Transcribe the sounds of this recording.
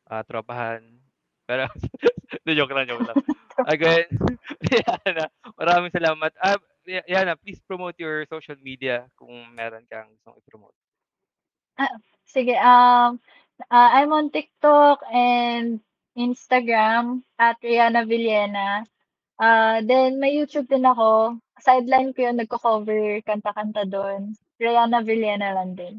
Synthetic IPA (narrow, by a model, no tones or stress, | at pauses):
ʔat̪ɾɐbahan | pɛːɾo | nɛjoklɐŋjokaʔɐɡɛnjanɐmɐɾaːmɪŋsɐlaːmɐt̪̚a | jajanɐplispɾomowt̪jɔɹsowʃɐlmid̪iɐkʊŋmɛːɾonkɐŋɡʊst̪oŋɪpɾomo̰ːt̪̚ | ʔa | sɪɡɛʔɐm | ʔaʔajmoɐnt̪ɪk̚t̪okɛnd̪̚ | ʔinst̪ɐɡɹamʔɐt̪̚ɾɛjaːnɐvɪljɛːnɐ | ʔad̪ɛnmɐjːuːt̪ub̚d̪ɪnɐko̞ | sajd̪lɐjnkojonːɐɡ̚kokovɛɹkɐnt̪ɐkɐnt̪ɐd̪on | ɹɐjanɐvɪljɛnɐlɐnd̪ɪn